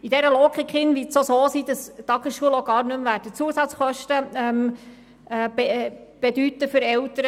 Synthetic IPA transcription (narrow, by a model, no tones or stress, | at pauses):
id̪ɛɾəloːkχɪkχɪnʋitsosoːsiːd̪ɑstɑɡ̥əsʃuəloɡɑːrnɵmʋæːɾd̥ət͡suəsɑt͡sχœʃtəɛm | b̥eb̥ed̪ytəfɵɾɛlt̪əɾə